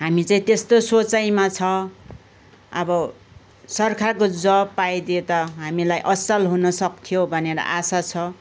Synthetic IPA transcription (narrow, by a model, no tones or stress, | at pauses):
ɦamit͡saĩt̪est̪osot͡sajmat͡sʰʌ | ʌ̰bʌ | sʌrkʰarkod͡zʌpːajd̪iet̪ʌɦamilajʔʌsʌlɦunʌsʌkt̪ʰijobʱʌneɾʌ̰ʔasat͡sʰʌ